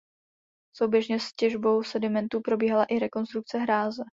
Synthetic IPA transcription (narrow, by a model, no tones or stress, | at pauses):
so̞wbjɛʒɲɛscɛʒbo̞wsɛdɪmɛnt̪uːpɾo̞biːɦalaʔɪɾɛko̞nst̪ɾuk̚t͡sɛɦɾaːzɛ